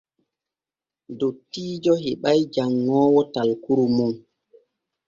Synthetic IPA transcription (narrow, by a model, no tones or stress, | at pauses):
dotːiːd͡ʒɔɦɛɓajd͡ʒaŋːɔːwɔtalkuɾumun